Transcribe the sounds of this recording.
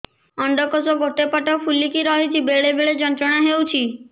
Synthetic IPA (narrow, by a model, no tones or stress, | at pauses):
ɔɳɖɔkɔsɔɡʱoʈepaʈɔpʰulikiɾɔɦit͡ʃʰibeɭebeɭed͡ʒɔnt̪ɾɔɽ̃aɦewt͡ʃʰi